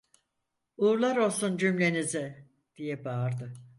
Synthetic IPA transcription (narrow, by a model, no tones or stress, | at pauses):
uːɾlˠaɾo̞lˠsund͡ʒymlʲe̞nizɪ | d̪̥ijɛbaːɾd̪ɯ